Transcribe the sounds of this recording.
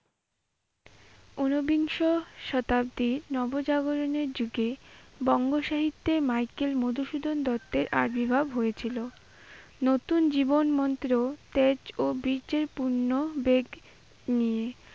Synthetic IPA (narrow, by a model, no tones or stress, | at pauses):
onobiŋʃoʃɔt̪ab̚d̪iɾnɔbod͡ʑaɡoɾoneɾd͡ʑuɡebɔŋɡoʃaɦit̪ːemajkelmod̪ʱuʃud̪ʱond̪ɔt̪ːeɾʔa̰ɾbibʱabɦojet͡ɕʰilo | not̪und͡ʑibonmɔnt̪ɾot̪ed͡ʑobiɾd͡ʑeɾpuɾnobeɡ | nie